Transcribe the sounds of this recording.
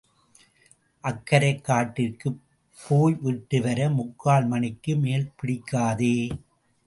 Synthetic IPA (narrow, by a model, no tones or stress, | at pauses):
ʔɐkːɐɾɐɪkːaːʈːɪrkɯ | pːoːjʋiʈːɯʋɐɾɐmʊkːaːlmɐnɪkːɯmeːlpɪɽɪkːaːðeː